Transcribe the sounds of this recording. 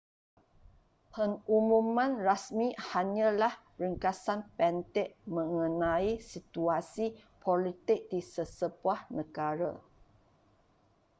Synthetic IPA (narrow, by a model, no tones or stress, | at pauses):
pəŋumũmãnrasmĩhaɲãlah | rəŋkasanpɛnt̪ɪʔ̚mə̃ŋə̃nãisit̪uasipʰolit̪ɪk̚disəsəbuahnəɡaɾa̰